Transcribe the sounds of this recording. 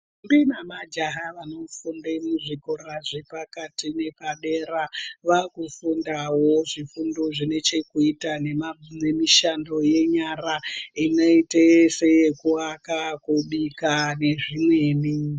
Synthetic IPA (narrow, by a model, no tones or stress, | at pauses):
mbinamad͡ʒaɦaʋano̞fundemuʐikoɾaʐepakatine̞paɗeɾaʋakufundawo̞ʐifundoʐine̞t͡ʃe̞kuitanene̞miʃando̞je̞ɲaraino̞itese̞jekuakakuɗikane̞ʐimwe̞ːni